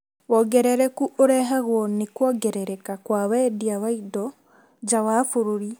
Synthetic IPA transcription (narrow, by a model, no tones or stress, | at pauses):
wɔɡɛɾɛɾɛkuʔoɾɛɦaɣwɔnekwɔɡɛɾɛɾɛkakwawɛdiawaidɔ | d͡ʒawaːfoɾoɾi